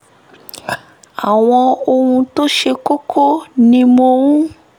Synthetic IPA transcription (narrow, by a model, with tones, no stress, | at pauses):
a˨w̃ɔ̃˧o˧hũ˧to˦ʃe˧ko˦kʰo˦nĩ˧mo˧wũ˦